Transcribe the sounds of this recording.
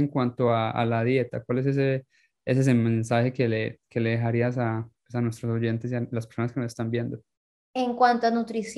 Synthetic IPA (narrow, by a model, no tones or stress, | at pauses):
eŋkwant̪o̞aa̰laðje̞t̪a̰kwales̬es̬e | es̬es̬emẽnsaxe̞keleke̞le̞ðexaɾiasapwesanwe̞st̪ɾoso̞ʝe̞nt̪e̞sialaspeɾso̞naske̞nosest̪ambje̞nd̪o | eŋkwant̪oanut̪ɾis